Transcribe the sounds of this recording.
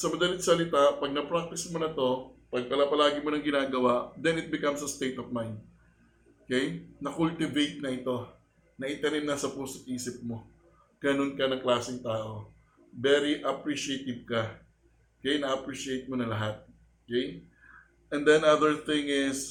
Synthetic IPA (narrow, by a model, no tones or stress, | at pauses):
sɐmɐd̪ɐlɪt̪̚sɐlɪt̪aʔpɐɡ̚nɐpɹak̚t̪ɪsmonɐt̪o̞pɐɡ̚pɐlapɐlaːɡɪmonɐŋɡɪnaːɡɐwad̪ɛnɪt̪̚bɪkɐmsɐst̪ejt̪ɔfmajnd̪̚ | okɛjnɐkult̪ɪvejt̪̚nɐʔɪt̪o̞ | nɐʔɪt̪ɐnɪmnɐsɐpuːsʊt̚ʔiːsɪp̚mo̞ | ɡ̥ɐno̞nkɐnɐŋklaːsɪŋt̪aːʔo̞ | bɛɾiʔɐpɹiʃɪejt̪ɪv̚kɐ | kɐjanɐʔɐpɹiʃɪejt̪̚monɐlɐɦat̪̚ | okɛj | ʔɛ̃nd̪ɛnaðəɹθɪ̃ŋɪs